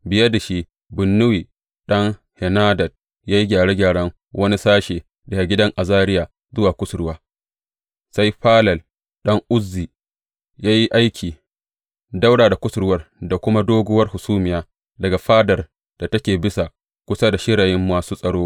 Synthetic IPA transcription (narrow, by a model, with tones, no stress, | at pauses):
bɪ˨jɐ˦da˨ʃi˦ | bʊ˨nːʊ˦wiː˨ | ɗɐ˦ŋ | hɛ˨naː˦dɐ˨d̚ | jaː˦ji˦ɡʲaː˨ɽe˦ɡʲaː˨ɽɐ˦ŋ | wʔɐ˦ni˦saː˦ʃeː˨ | dɐ˨a˨ɡʲɪ˦dɐ˦ŋʔa˨zaː˦ɾɪ˦jaː˨ | zʊ˦waː˨kʷʊ˦sɾɽʊ˦waː˦ | sa˦jɸaː˦lɐ˨l | ɗɐ˦ŋʔʊ˦zːiː˨ | jaː˦ji˦ʔa˦jkʲʰiː˨ | da˦wɽaː˨da˨kʷʊ˦sɽʊ˦wɐ˦rda˨kʷʊ˦ma˦doː˦ɡʊ˦wɐ˦rhʊ˨suː˦mɪ˨jaː˦ | dɐ˨ɡa˨ɸaː˦dɐ˨r | d̥a˨tɐ˦kʲeː˨bɪ˦sa˨ | kʷʊ˦sa˦da˨ʃɪ˦ɽaː˨jɪ˦mːaː˨suː˦sʼɐ˨ɽoː˦